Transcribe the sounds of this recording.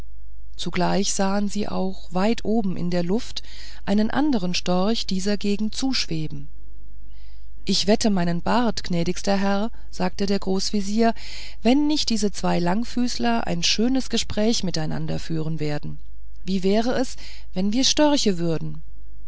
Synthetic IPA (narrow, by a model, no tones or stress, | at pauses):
t͡suɡlaɪçz̥aːənziːʔa̰ʊxv̥aɪtʰʔoːbm̩ʔɪ̰ndeːɐlʊft | ʔaɪnənʔa̰ndəʁənʃtɔɐçd̥iːzɐɡeːɡŋ̩tt͡suːʃv̥eːbm̩ | ʔɪçv̥ɛtʰəmaɪnənbaɐtɡ̥nɛːdɪçstɐɦɛʁ | z̥aːk̚tədeːɐɡʁoːsv̥iziːɐ | vɛnːɪçt̚d̥iːzət͡sv̥aɪlaŋfyːslɐʔa̰ɪnʃøːnəsɡ̥əʃpʁ̥ɛːçmɪtaɪna̰ndɐfyːʁ̞ənveːɐdn̩ | viːvɛːʁəɛs | vɛnviːɐʃtœɐçəvʏɐdn̩